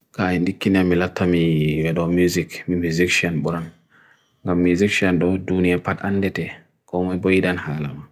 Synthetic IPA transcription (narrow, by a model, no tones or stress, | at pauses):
kaɛndikːinamilatʰːamiwɛɗɔmjuzikmimuzikʃiɔnɓuɾan | ŋɡamːuzikʃiɔnɗɔdunijapatanːdɛtɛ | kɔmibojidanhaːla̰ma